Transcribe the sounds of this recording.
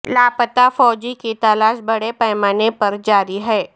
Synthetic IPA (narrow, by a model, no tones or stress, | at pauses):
laːpət̪afɔːd͡ʒikit̪ɐlaːʃbɐɽepɛːmaːnepɐɾd͡ʒaːɾiɦɛː